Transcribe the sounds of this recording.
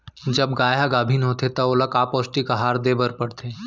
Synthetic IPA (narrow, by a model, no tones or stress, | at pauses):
d͡ʒɐbɡaːjaɡaːbʱinɦoːt̪ʰet̪ɐolɐkaːpɔːsʈikaɦaːɾd̪eːbəɾpɐɽt̪ʰeː